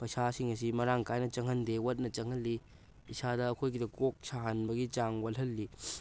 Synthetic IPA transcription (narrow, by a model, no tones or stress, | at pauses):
pɐjsasiŋɐsimɐɾaŋkajnɐt͡ʃɐŋɦɐndewɐt̚nɐt͡ʃɐŋɦɐlːi | isadɐːkʰojɡidɐkok̚saɦɐnbɐɡit͡ʃaŋwɐlɦɐlːi